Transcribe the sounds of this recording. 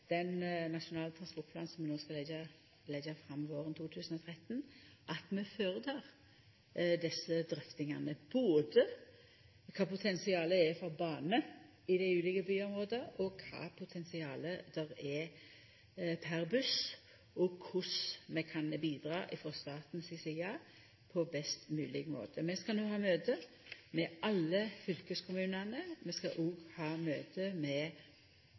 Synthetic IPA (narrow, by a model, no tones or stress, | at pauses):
d̪̥ɛnnɑʃʊnɑːlət̪ʰɾɑnspɔɾʈ̚pʰlɑːnsɔmʋɛnoːskɑlɛə | lɛɡəfɾɑmːʋoːɾʁənt̪ʰuːt̪ʰʉːsənɔt̪ʰʁɛt̪ːnʔɑt̪mɛføːɾət̪ʰɑːʁ | d̪ɛsəd̪ɾœft̪ɪŋɑnəb̥oːd̪ə | kʰɑːpʊt̪ʰɛnsɪɑːləɛfɔɾbɑːnə | ɪd̪ɛʉːlɪɡəbyːʊmʁoːd̪əɔkʰɑ̰ːpʰʊt̪ʰɛnsɪɑːləd̪̥ɛɾɛ | pʰæɾbʉs | ʔɔkʰʊsmɛkʰɑnbiːd̪ɾɑːʔɪfʁɔst̪ɑːt̪n̩sɪsɛɑː | pʰɔbɛst̪mʉːlɪɡmo̰ːt̪ʰəmɛskɑnoːhɑːmøːt̪ə | mɛʔɑlːəfʏlkəskʰʊmʉːnɑnəmɛskɑʔuːɡhɑːmøːt̪ʰəmɛ